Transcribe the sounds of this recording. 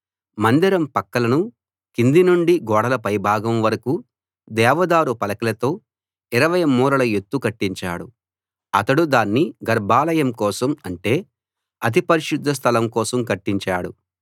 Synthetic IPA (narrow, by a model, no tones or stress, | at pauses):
mɐnd̪iɾɐmpɐkːɐlɐnu | kind̪inuɳɖiɡɔːɽɐlɐpɐjbʱaːɡɐmʋɐɾɐku | d̪ɛːʋɐd̪aːɾupɐlɐkɐlɐt̪o̞ː | iɾɐʋɐjɐmuːɾɐlɐjet̪ːukɐʈːiɲt͡ʃa̰ːɽṵ | ɐt̪ɐɽud̪aːnːiɡɐɾbʱaːlɐjɐmkɔːsɐmɐɳʈe̞ː | ɐt̪̬ipɐɾiʃud̪ʱːɐs̬t̪ʰɐlɐmkɔːsɐmkɐʈːiɲt͡ʃaːɽu